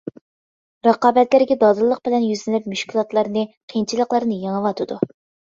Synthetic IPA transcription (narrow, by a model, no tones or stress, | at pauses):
ɾɑqɑːbɛt̪læɾɡʲɛd̪ɑd̪ɨlˠːəq̚b̥ɪlɛnjyzlɪnyp̚myʃkʲʰulˠɑt̪lˠɑɾnɨqʰint͡ʃʰilˠəqlˠɑɾnɨjeŋəwɑt̪ʰɨd̪u